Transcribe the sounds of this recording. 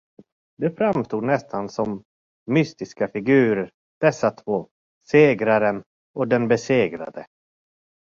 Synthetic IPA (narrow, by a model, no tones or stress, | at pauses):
d̪ɛfɾamst̪uːd̪nɛst̪ʰansɔmː | ʏst̪ɪskafɪɡʉ̟ːɾəɾ | d̪̥ɛsːat̪ʰvoː | seːɡɾaɾən | ɔd̪ɛnbɛseːɡɾa̰d̪ə